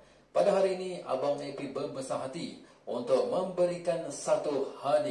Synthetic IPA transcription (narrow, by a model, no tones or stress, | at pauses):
padaɦaɾiːnĩa̰bamnẽpibəməsaɦat̪i | ʔunt̪ʊk̚mə̃mbəɾikansat̪uhali